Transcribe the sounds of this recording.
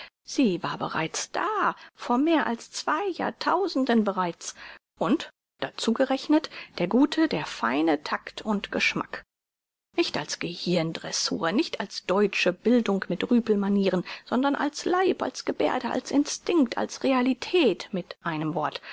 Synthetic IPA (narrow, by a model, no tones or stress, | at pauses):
z̥iːvaːɐbə̰ʁa̰ɪt͡sd̥aːfoːɐmeːɐʔa̰lst͡sv̥aɪja̰ːɐtʰaʊzn̩dənbəʁaɪt͡s | ʔʊnt | d̥at͡suːɡəʁɛçnətd̥eːɐɡuːtʰədeːɐfa̰ɪnətʰaktʰʊntɡ̥əʃma̰k | nɪçtalsɡ̥əhɪɐndʁɛ̰sṵːɐnɪçtʰalsd̥ɔʏt͡ʃəbɪldʊŋkmɪtʁyːpl̩maniːʁənz̥ɔndɐnʔa̰lslaɪpa̰lsɡ̥əbḛːɐdəʔa̰lsʔɪnstɪŋk̚tʰa̰lsʁealitʰɛːtmɪtʔaɪnəmvɔɐt